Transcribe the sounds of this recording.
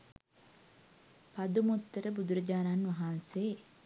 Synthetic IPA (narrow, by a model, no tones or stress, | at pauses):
pɐd̪umut̪ːəɾəbud̪uɾəd͡ʒaːnaːnʋɐɦanseː